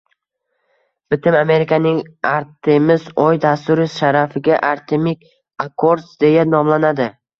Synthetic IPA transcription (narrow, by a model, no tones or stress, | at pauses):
b̥ɪt̪ʰɪmame̞ɾɪkʲʰanɪŋaɾt̪ʰɪmɪzɒjd̪ast̪ʊɾɪʃaɾafɪɡʲaʔaɾt̪ʰemɪkʲ | akʰoɾsd̪e̞janɒmlanad̪ɪ